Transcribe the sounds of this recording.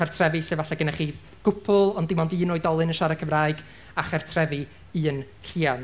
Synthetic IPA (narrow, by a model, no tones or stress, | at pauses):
ɛrtʰrɛvɨɬevaɬɛɡənaχiː | ɡ̥ʊpʰʊlˠɔndɪmɔndɨːnoːɨdɔlˠɨnənʃaɾakʰəvraːɨjɡ | aχɛrtʰrɛvɨ | ɨːn | r̥iːan